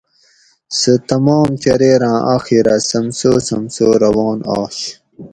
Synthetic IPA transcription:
sət̪ɐmɑːmtɐɾeːɾãːʔa̰xiɾasɐmsoːsɐmsoːɾɐwɑːnɑ̰ːɕ

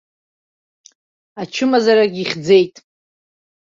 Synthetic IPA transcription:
at͡ʃʰɨmazaɾaɡʲiχʲd͡ze̞jtʼ

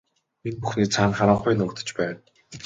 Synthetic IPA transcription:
minpuxniːt͡sʰaːnχaɾə̆ɴχʊjnʊːkt̪ə̥̆t͡ɕpæːn

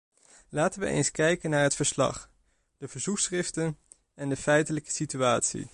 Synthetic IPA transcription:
laːtənʋə̰ʔḛjnskɛjkənaːɹɦətfəɹslɑ̰χ | d̥əvəɹzuksrɪftən | ɛndəfɛjtələkə̥sityaːtsḭ

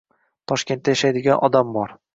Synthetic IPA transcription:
t̪ʰɒʃkʲent̪ːajaʃajd̪ɪɡʲanʔɒd̪ambɒɾ

